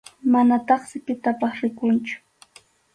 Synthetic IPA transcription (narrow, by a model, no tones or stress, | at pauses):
manat̪ɑχsɪpɪt̪apɑχɾɪkʊnt͡ʃʊ̥